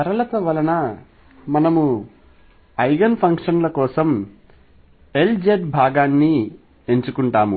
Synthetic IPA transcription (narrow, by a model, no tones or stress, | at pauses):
kɐɾɐlɐt̪ɐʋɐlɐnɐ | mɐnɐmu | ɐjɡɐnpʰɐŋkʂɐnlɐkɔːsɐm | e̞ld͡ʒeɖbʱaːɡaːnːi | e̞ɲt͡ʃukuɳʈaːmu